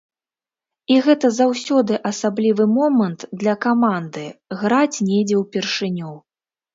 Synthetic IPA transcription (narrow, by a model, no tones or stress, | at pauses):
iɣɛt̪ɐzawsʲɔd̪ɨʔɐsablʲivɨmɔmɐnt̪d̪lʲɐkamand̪ɨɣɾat͡sʲnʲɛd͡zʲɛwpʲɛrʂɨnʲɔw